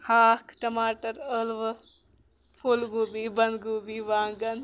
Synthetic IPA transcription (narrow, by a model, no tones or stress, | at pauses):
haːkʈɐmaːʈɐɾəlʋ | pʰulɡuːbibɐnd̪ɡuːbiːʋaːŋɡɐn